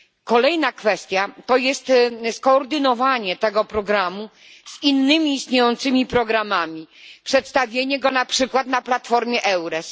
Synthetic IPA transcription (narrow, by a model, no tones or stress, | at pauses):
kɔlɛjnakfɛst̪ʲjat̪ɔjɛst̪skɔːɾd̪ɘnɔvaɲɛt̪ɛɡɔpɾɔɡɾamu | z̥inːɘmʲiːst̪ɲejɔnt̪sɘmʲipɾɔɡɾamamʲipʂɛt̪st̪avʲjeɲɛɡɔnapʂɘkwat̪naplat̪fɔɾmʲjɛʔɛwɾɛs